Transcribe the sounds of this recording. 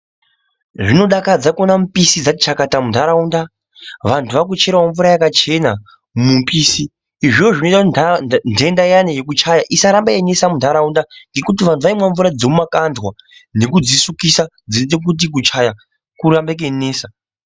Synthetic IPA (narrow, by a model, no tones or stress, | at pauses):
ʐino̞ɗakad͡zakonamupisid͡zati̥t͡ʃakatamuntʰaɾaunda | ʋantʰuʋak̬ut͡ʃe̞ɾawaɱvuɾajakat͡ʃe̞na | mumpiːsiː | ʐioʐino̞itaundʱendajanejek̬ut͡ʃajaʔisaɾambaene̞samundʱaɾaundaŋɡe̞kutiʋantʰuʋaimwaɱvuɾad͡zomumakanzwane̞kud͡zisukisa | d͡zintek̬ut̬ik̬ut͡ʃaja | kuɾambek̬eneːsa